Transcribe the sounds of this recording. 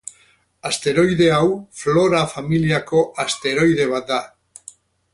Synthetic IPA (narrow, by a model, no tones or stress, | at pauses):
ast̪eɾojðeawfloɾafamiljakoast̪eɾojðeβad̪a